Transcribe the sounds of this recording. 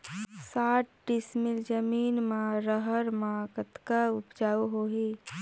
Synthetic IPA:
saːʈ̚ɖismild͡ʒəmiːnmãɾəɦəɾmaɡət̪kaʊpd͡ʒaːuɦoɦi

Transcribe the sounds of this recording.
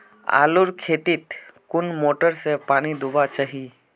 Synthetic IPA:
a̰ːlʊɾkʰeːt̪it̪kʊnmoːʈəɾsepaːñid̪ʱʊbat͡ʃaɦi

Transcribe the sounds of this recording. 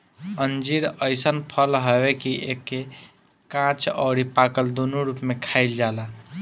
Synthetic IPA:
ənd͡ʒiɾəjsənpʰəlɦəbekiʔekːe | kãt͡ʃɔ̰ɽipakəld̪onuɾupmekʰaɪld͡ʒala

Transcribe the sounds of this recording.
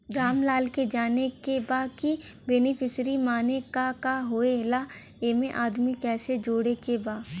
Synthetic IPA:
ɡɾaːmlaːlked͡ʒaːnekebaːki | beːnɪpʰɪsɾimaːnekakaɦoːelaː | eːmẽʔaːd̪mikɛːsed͡ʒoːɽekebaː

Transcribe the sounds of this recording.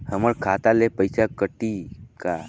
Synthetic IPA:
həməɾkʰat̪alepəjsakəʈika

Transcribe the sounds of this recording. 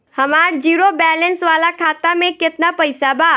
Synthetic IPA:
hɐmaːɾd͡ʒiːɾobɛːlɛ̃nsʋaːlakʰaːt̪amẽkɪt̪napɐɪsabaː

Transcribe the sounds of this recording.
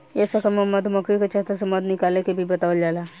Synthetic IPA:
ɛːsakɐmɐmɐd̪mɐkikat͡ʃaːt̪asɐmɐd̪nɪkaːlekebʱibɐt̪aːʋəld͡ʒaːlaː

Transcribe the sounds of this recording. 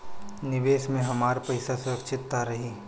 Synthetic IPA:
nɪʋeːʃmẽɦɐmaːɾpɐɪsasʊɾɐkʃʰɪt̪ːaɾɐɦiː

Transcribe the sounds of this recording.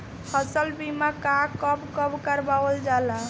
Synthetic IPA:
həsəlbimakakəbkəbkəɾbawəld͡ʒala

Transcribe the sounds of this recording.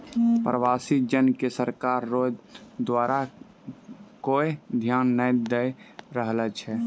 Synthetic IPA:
pɾəʋasid͡ʒənkesəɾkaɾːod͡ʒd̪waɾa | koed̪ʱjanːəjd̪eɾəɦlɛt͡ʃʰɛ

